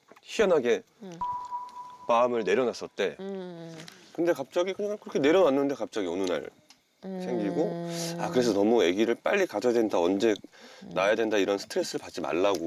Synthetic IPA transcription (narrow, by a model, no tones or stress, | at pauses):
çijʌnɦaɡe̞ | maɯmɯɭne̞ɾjʌnas͈ʌt͈e̞ | kɯnde̞kap̚t͡ɕ͈aɡikɯɲakɯɾʌkʰe̞ne̞ɾjʌnanːɯnde̞kap̚t͡ɕ͈aɡiʌnɯna̰ɭ | sʰe̞ŋɡiɡoakɯɾe̞s̬ʰʌnʌmuje̞ɡiɾɯɭp͈a̰ʎːikad͡ʑʰʌjadwendaʌnd͡ʑe̞najadwe̞ndaiɾʌnsʰɯ̥tʰɯɾe̞s͈ɯɾɯɭpat̚t͡ɕ͈ima̰ɭːaɡo